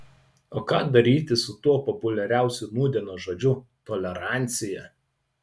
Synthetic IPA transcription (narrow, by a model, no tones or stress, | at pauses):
oːkɑːd̪ɐɾʲiːt̪ʲɪsʊt̪uɔpɔpʊlʲɛɾʲæˑʊsʲʊnuːd̪ʲiɛnoːʒod͡ʒʲʊt̪ɔlʲɛɾɑˑnʲt̪sʲɪjɛ